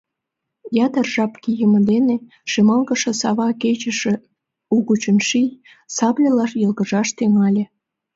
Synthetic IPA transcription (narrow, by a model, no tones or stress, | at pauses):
jɑt̪ərʒɑpkijəmə̆d̪ene | ʃemɑlɣə̆ʃĕsɑβɑket͡ɕə̆ʃĕ | uɣut͡ɕənʃij | sɑplʲelɑʃjəlɣə̆ʒɑʃt̪eŋɑlʲĕ